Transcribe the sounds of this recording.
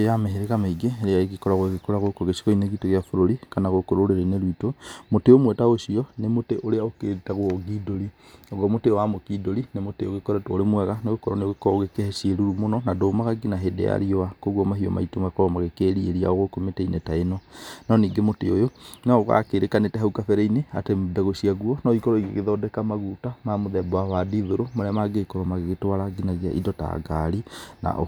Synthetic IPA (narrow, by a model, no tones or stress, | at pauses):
ejameɦeɾeɣamaiɡeɾeaeɣikɔɾaɣwɣekoɾaɣokoɣesi̥kɔineɣitoɣeafoɾoɾikanaɣokoɾoɾeɾeneɾwitomoteomwɛtaoʃiɔnemoteʔoɾeaokeɾetaɣoɔɡidoɾi | ɔɣɔmotewamokidoɾinemoteoɣekoɾatooɾemwɛɣaneɣokɔɾɔneoɣekɔoɣekɛhɛsieɾuɾumonɔnadoːmaɣaɡinaɦedɛ̰ja̰ɾioakoɣwɔmaɦiɔ̰ma̰itomakɔɾɔmaɣekeɾieɾia̰oɣokometɛinetaenɔnɔniːɡemoteojonɔɣa̰keɾekanetɛɦaukafɛɾɛineatemdaɣoʃiaɣuɔnɔikɔɾɔiɣaɣeðɔdɛkamaɣutamamoðɛbwawadiðoɾomoɾɛamaɡekɔɾɔmaɣeɣetwaɾaɡinaɣia̰ʔḭdɔta̰ɡaɾina̰ʔo